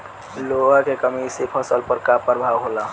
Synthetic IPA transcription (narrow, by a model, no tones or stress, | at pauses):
loɦakekəmisepʰəsəlpəɾkapəɾbʱawɦola